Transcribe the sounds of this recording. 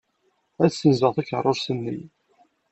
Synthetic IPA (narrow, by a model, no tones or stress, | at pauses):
æðsːənzəʁθækə̰rˤːoɾsənːḭ